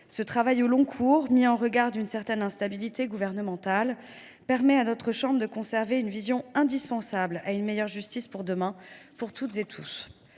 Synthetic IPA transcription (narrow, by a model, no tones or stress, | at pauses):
sət̪χavajolɔ̃kʰuʁmiɑ̃ʁəɡaʁd̪ynsɛʁt̪ɛnɛ̃st̪abilit̪eɡuvɛʁnəmɑ̃t̪al | pɛʁmɛanɔt̪χəʃɑ̃bʁd̪əkɔ̃sɛʁveynvizjɔ̃ɛ̃d̪ispɑ̃sabla̰ynmejœʁʒyst̪ispuʁd̪əmɛ̃puʁt̪ʰut̪zet̪ʰṵs